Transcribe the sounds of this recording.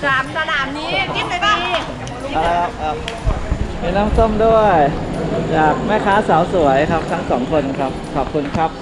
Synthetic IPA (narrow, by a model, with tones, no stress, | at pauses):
a˩a˧naː˩˦mniː˦˥i˧˥˧ | a˧ɾa˧jkʰa˦˥p̚kʰa˦˥p̚ | miː˧˩naː˦˥˨mso˥˩mdu˥˩əjt͡ɕaː˨˩k̚mɛ˥˩kʰaː˦˥saː˩˦wsu˩˦əjkʰa˦˥p̚t̪ʰa˦˥ŋsɔː˩˦ŋkʰo˧nkʰa˦˥p̚kʰɔː˨˩p̚kʰu˧nkʰa˦˥p̚